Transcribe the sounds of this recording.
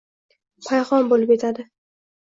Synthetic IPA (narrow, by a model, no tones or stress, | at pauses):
pʰajχɒnbolɪpet̪ʰad̪ɪ